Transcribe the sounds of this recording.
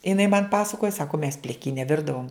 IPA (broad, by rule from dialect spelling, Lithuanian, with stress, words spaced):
ɪˈnɐɪ mɐn ˈpɑːsɐkoːjɛ ˈsɑːkoː mʲɛs pʲlʲɪˈkʲiːnʲɛ ˈʋʲɪrdɐʋoːm